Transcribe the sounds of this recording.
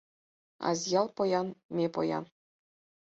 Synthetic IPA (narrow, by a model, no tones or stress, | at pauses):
ɑ̰zjɑlˠpŏjɑnmʲepo̰jɑ̰n